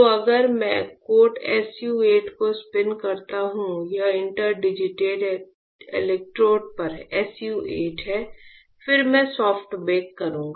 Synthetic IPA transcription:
toɐɡəɾmɛ̰̃koːʈɛ̰ːsjuːeːʈkospɪnkɐɾt̪aɦũjaɪ̃ɳʈəɾɖɪd͡ʒɪʈeːɖ | ḛlɛk̚ʈɾoːʈ̚pɐɾɛːsjuːʔeːʈɦɛː | fɪɾmɛ̃sɔːfʈbeːkːɐɾũːɡa

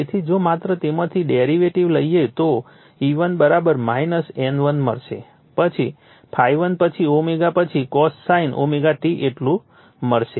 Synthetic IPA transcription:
et̪ʰid͡ʒomat̪ɾət̪emət̪ʰiɖeɾiʋeʈiʋləjet̪o | iʋənbəɾabəɾmainəsɛ̃nʋənmə̰ɾʃḛ | pət͡ʃʰi | pʰajʋənpət͡ʃʰiomeɡapət͡ʃʰikɔssainʔo̰meɡaʈiʔeʈlũ | məɭʃe

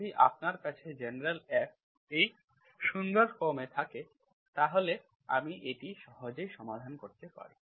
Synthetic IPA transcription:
iʔa̰p̚naɾkat͡ɕʰed͡ʑeneɾelɛp̚ | ej | ʃuŋɡoɾfomet̪ʰake | t̪aɦole | a̰miʔeʈiʃɔɦod͡ʑejʃɔmad̪ʱankoɾt̪epa̰ɾi

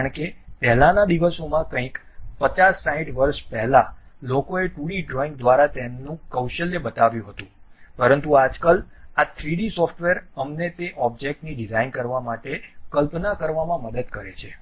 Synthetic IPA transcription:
əɳkepɛɦlanad̪iʋəsomãkə̃ĩk | pət͡ʃasːaɦĩʈʋəɾʃpɛɦlalokoeʈuɽiɖɾɔĩŋɡd̪ʋaɾat̪ɛnũkəwʃəlːebət̪aʋjũɦət̪ũpəɾənt̪uad͡ʒkəlat̪ʰɾiɽisɔfʈʋeɾəmnet̪eʔɔb̚d͡ʒek̚ʈniɖizainkəɾʋamaʈekəlpnakəɾʋamãməd̪əd̪kəɾet͡ʃʰe

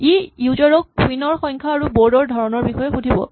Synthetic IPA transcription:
ijuzɔɹɔk̚ːwinɔɹxɔjŋkʰaːɹuboɹdɔɹdʱɔɹɔnɔɹbixɔjɛxudʱibɔ̰

